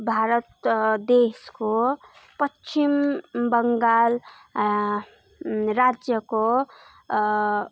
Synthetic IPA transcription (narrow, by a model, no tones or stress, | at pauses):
bʱaɾʌt̪d̪esko | pʌt͡ʃimbʌŋɡal | ɾad͡zjʌko